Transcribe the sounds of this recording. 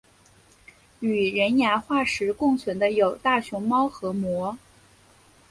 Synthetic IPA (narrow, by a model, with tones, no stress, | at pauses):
y˨˩ɻə˧˥nja˧˥xwa˥˩ʂɻ̩˧˥kʊ˥˩ŋt͡sʰwə˧˥nd̪ə˧jo˨˩ʊt̪a˥˩ɕʊ˧˥ŋmɑ˥ʊxɤ˧˥mwɔ˧˥